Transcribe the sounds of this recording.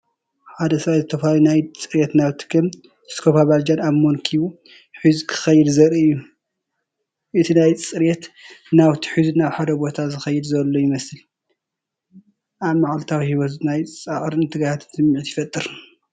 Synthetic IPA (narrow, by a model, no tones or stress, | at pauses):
ħad̪ɐsɐβazɨt̪ʰɐfɐlalunajt͡sʼɨɾɛt̪naβt̪ʰɨ̥kʰɨm | skʰofaβald͡ʒanaβmonkʰiβu | ħɨzkʰɨ̥xɐjːɪd̪zɐɾiɨjːu | ʔɨt̪ʰinajt͡sʼɨɾjet̪naβt̪ʰi̥ħɨznaβħad̪ɐbo̞t̪ʰazɨxɐjːɨd̪zɐlːojɪmɐsɨl | ʔaβmaʕalt̪ʰawihiwot̪znajt͡sʼaʕɾɨnt̪ʰɨɡajat̪ʰsɨmːiʕit̪jɪfɐt̪ʼɨɾ